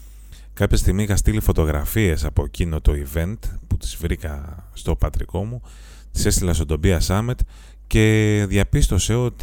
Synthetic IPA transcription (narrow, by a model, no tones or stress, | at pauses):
kɐpçɐst̪iɣmisixɐst̪ilifo̞t̪o̞ɣɾɐ̰fie̞sɐpo̞cino̞t̪o̞ive̞nt̪put̪i̥zvɾikɐst̪o̞pɐt̪ɾḭko̞mu | t̪i̥se̞st̪ilɐnst̪od̪o̞biɐsɐmet̪ | ce̞ðʝɐpist̪o̞se̞o̞t̪